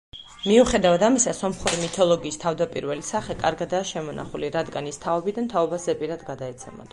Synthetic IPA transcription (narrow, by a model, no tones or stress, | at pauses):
miuχɛd̪avad̪amisasɔmχuɾimit̪ʰɔlˠɔɡiːst̪ʰavd̪apʼiɾvɛlisaχɛkʼaɾɡad̪aːʃɛmɔnʔa̰χuliɾad̪ɡanist̪ʰaɔbid̪ant̪ʰaɔbazɛpʼiɾad̪ɡad̪aɛt̪sʰɛmɔ̰d̪̥